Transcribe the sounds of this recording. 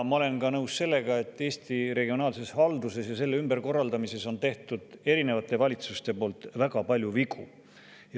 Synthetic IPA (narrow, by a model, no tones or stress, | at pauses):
mɑo̞le̞nkɑnɤwsse̞lːe̞ɡɑe̞t̪ːˑe̞ːst̪iɾe̞ɡio̞nɑːlse̞shɑld̪use̞sjɑse̞lːeymbe̞ɾko̞rːɑld̪̥ɑmise̞so̞nt̪e̞ht̪ud̪̥e̞ɾine̞vɑt̪ːˑe̞vɑlʲit̪sust̪e̞po̞ːlt̪ˑvæɡ̥ɑpɑlʲjuviɡu | j